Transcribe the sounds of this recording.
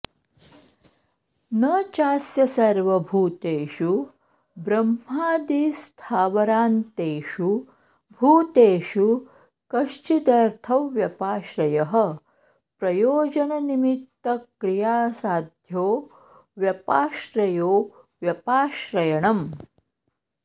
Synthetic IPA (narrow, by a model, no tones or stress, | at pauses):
nɐt͡ʃaːsjɐsɐɾʋɐbʱuːt̪eːʃu | bɾɐmɦaːd̪iːst̪ʰaːʋɐɾaːnt̪eːʃu | bʱuːt̪eːʃu | kɐʃt͡ʃid̪ɐɾt̪ʰɐʋʋjɐpaːʃɾɐjɐɦɐ̆ | pɾɐjoːd͡ʒɐnɐnimit̪ːɐkɾijaːsaːd̪ʱjoː | ʋjɐpaːʃɾɐjoː | ʋjɐpaːʃɾɐjɐɳɐm